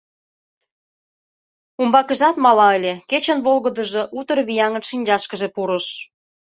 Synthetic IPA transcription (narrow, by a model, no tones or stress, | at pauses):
umbɑkə̆ʒɑt̪mɑlɑəlʲeket͡ɕə̆nβolɣə̆d̪ə̆ʒŏʔut̪ərβijɑŋə̆nʃinʲd͡ʑɑʃkəʒepuɾə̆ʃ